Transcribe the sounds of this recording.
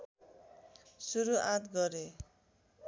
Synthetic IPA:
suɾuʔat̪ɡʌɾe

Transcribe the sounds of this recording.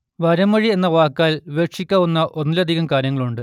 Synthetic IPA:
ʋɐɾɐmɐɻie̞nːɐʋaːkːaːlʋeːkʂikʲːaːʋunːɐʔo̞nːilɐd̪ʱiɣɐmkaːɾjɐŋːɐɭuɳɖɨ

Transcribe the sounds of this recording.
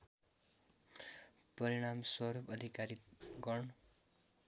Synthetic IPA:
pʌɾiɽ̃amswʌɾupʌd̪ʱikaɾiɡʌɳ

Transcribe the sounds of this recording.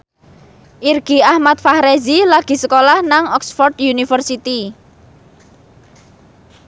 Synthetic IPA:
ʔirɡ̥iahmat̪̚fahɾezilaɡ̥i̤səkolahnaŋɔksfɔrd̪junifərsit̪i

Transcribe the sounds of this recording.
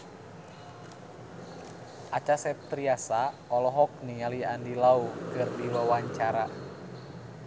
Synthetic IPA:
at͡ʃasɛt̪ɾiasaɔlɔɦɔk̚nialiandilaukɨrdiwawaɲt͡ʃaɾa

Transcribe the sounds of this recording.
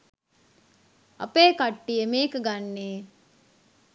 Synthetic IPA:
ɐ̰peːkaʈːijemeːkəɡanːeː

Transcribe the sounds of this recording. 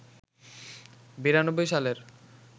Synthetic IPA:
biɾanobːojʃaleɾ

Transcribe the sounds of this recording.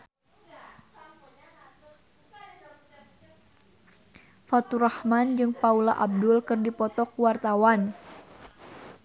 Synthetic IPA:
fat̪urahmand͡ʒɨŋpaulaʔab̚dʊlkɨrdipɔt̪ɔkuwart̪awan

